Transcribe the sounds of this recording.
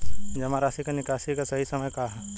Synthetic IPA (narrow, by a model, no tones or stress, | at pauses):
d͡ʒɐmãɾaːsikanɪkaːʃikasɐɦisɐməjkaɦɛ